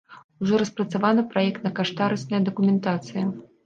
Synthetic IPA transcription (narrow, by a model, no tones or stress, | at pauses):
uʐɔɾɐspɾɐt̪savanɨpɾajɛkt̪nɐkaʂt̪aɾɨsnɐjɐd̪ɐkumʲɛnt̪at̪sɨjɐ